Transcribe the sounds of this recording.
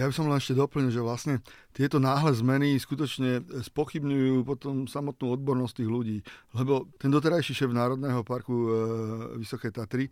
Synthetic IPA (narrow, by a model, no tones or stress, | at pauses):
jabisɔmlɛnɛʃcɛd̪ɔpl̩ɲilʒɛʋlasɲɛt̪ɪɛt̪ɔnaːɦlɛzmɛniskut̪ɔt͡ʃɲɛspɔxibɲujuːpɔt̪ɔmsamɔt̪nuːɔd̪̚bɔɾnɔst̪iːɣluɟiːlɛbɔt̪ɛnd̪ɔt̪̬ɛɾajʃiʃɛːvnaːɾɔd̪nɛɦɔpaɾku | ʋisɔkɛjt̪at̪ɾi